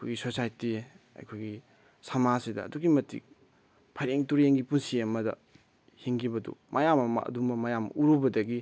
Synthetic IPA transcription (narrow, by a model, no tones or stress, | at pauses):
ɐjkʰojɡisosajti | ɐ̰jkʰojɡi | samasidɐ̰ːduɡimɐtḭk | pʰajɾeŋtuɾjeŋɡipunsiɐmɐdɐ̰ | hiŋɡibɐdṵmʔɐjamɐ̰dumɐmɐjam̰uɾubɐdɐɡi